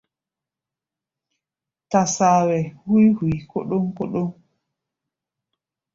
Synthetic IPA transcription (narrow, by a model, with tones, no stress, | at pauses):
ta˨saːwɛ˨hu˦jhu˨jkɔ˦ɗɔ˦mkɔ˦ɗɔ˦m